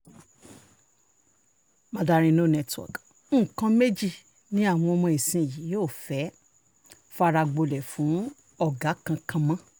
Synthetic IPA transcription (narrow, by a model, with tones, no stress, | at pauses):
mã˧da˧ɾ̃ĩ˧no˦˨nɛ˧twɔ̰˨ɡ̩˦˨ | kã˧me˦d͡ʒi˦˨ | nĩ˨˦a˦˨w̃ɔ̃˧ɔ˧mɔ̃˧e˨sĩ˧˨ji˨˦joː˦˨fɛ˨˦ | fa˧ɾa˧ɡ͡bo˧lɛ˨fũ˨˦ | ɔ˦˨ɡa˨˦kã˧kʰã˧mã˦